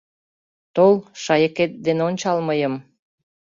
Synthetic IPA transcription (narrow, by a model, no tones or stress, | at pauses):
t̪olʃɑjəket̪̚d̪enonʲt͡ɕɑlməjəm